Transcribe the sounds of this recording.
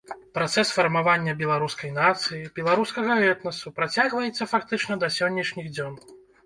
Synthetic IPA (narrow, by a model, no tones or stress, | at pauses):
pɾat̪sɛsfɐrmavanʲːɐbʲɛlˠaɾuskɐjnat̪sɨjibʲɛlˠaɾuskɐɣɐɛt̪nɐsupɾat͡sʲaɣvɐjɛt̪sːɐfakt̪ɨt͡ʂnɐd̪ɐsʲɔnʲːɐʂnʲiɣd͡zʲɔn